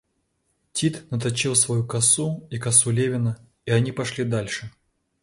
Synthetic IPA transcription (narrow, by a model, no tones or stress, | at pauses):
tʲit̪nət̪̬ɐt͡ɕilˠsvɐjukɐsuikɐsulʲevʲɪnə | iɐnʲipɐʂlʲid̪alʲʂɨ